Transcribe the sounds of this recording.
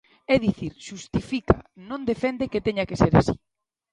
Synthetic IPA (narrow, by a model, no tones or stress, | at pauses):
ɛðiθiɾʃust̪ifika̰nõnd̪efɛnd̪eket̪eɲakeseɾa̰sḭ